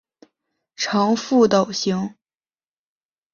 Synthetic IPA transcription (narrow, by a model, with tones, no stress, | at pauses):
ʈ͡ʂʰɑ˧˥ŋfu˥˩t̪ɑ˨˩ʊɕi˧˥ŋ